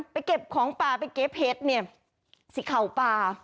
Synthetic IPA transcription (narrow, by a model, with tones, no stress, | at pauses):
pa˨˧jke˨˩p̚kʰɔː˨˩˦ŋpaː˨˩pa˨jke˦˥p̚he˦˥t̪̚ni˧˩ɐ | si˧˦kʰa˨˩wpaː˧